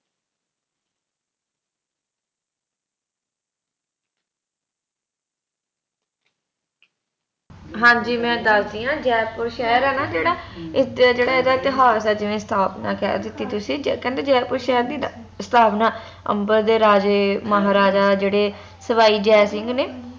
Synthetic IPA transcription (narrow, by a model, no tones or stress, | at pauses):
ɦãːɲd͡ʒiːmɛ̃ːd̪əlsd̪iːãːd͡ʒɛːpʊɾʃɛːəɾɛːnaːd͡ʒeːɽaːɪd͡ʒeːɽaːeːd̪aːɪt̪ɪɦaːsɛːd͡ʒɪʋẽːst̪ʰaːpna̰ːkɛ̰ːd̪ɪt̪ːiːt̪ʊsĩːd͡ʒkɛ̃ːnd̪eːd͡ʒɛːpʊɾʃɛːəɾd̪iː | sət̪ʰaːpnaː | ə̰mbəɾd̪eːɾaːd͡ʒeməɦaːɾaːd͡ʒaːd͡ʒeːɽeː | səʋaːiːd͡ʒɛːsɪŋɡneː